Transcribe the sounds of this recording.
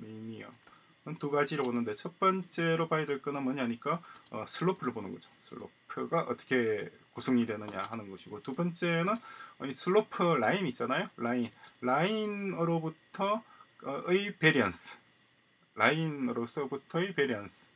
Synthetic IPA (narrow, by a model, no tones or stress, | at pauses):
mimio̰ | nɯntuɡad͡ʑiɾɯɭbonɯnde̞t͡ɕʰʌt̚p͈ʌnt͡ɕ͈e̞ɾopaidweɭk͈ʌnɯnmʌɲiɦaɲik͈aʌ̰sʰɯɭːopʰɯɾɯɭbonɯnɡʌd͡ʑo̥sʰɯɭːo̰pʰɯɡaʔʌ̰t͈ʌ̥kʰe̞kusʰoŋɲidwe̞nɯɲa̰ɦanɯnɡʌɕʰiɡotubʌnt͡ɕ͈e̞nɯnʌisʰɯɭːopʰɯɭainit͡ɕ͈anajoɭainɭainɯɾobutʰʌʌɯipeɾiʌnsʰɯ̥ | ɭainɯɾosʰʌbutʰʌɯpeɾiʌnsʰɯ̥